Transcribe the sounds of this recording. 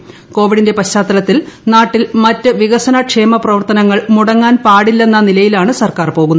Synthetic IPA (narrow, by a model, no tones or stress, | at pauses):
ko̞ːʋiɽinde̞pɐɕːaːt̪ːɐlɐt̪ːilnaːʈːilmɐtːɨʋiɣɐsɐnɐkʂe̞ːmɐprɐʋɐrt̪ɐnɐŋːɐɭmuɽɐŋːaːnpaːɽilːe̞nːɐnilɐjilaːɳɨsɐrkaːrpo̞ːɣunːɐ